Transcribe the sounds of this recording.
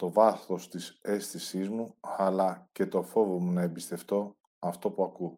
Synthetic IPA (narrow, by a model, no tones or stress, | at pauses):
t̪o̞vɐθo̞st̪ise̞st̪isizmuɐlɐce̞t̪o̞fo̞vo̞munɐebist̪e̞ft̪o̞ | ɐft̪o̞puɐku